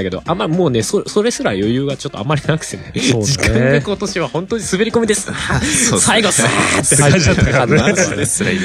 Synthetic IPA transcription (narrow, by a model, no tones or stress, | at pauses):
ake̞d̪o̞̰ʔamːamo̞ːne̞soso̞ɾe̞sɨɾajo̞jɯ̟ːɡat͡ɕo̞t̪ːoa̰mːaɾʲinakɯ̟̥sinsoːikãɡ̪eko̞t̪o̞ɕiβahõ̞nt̪oɲ̟isɨbeɾʲiko̞mʲid̪e̞sɨ̥ | saiɡo̞sɨat̪ːeaat̪ːa | sɾa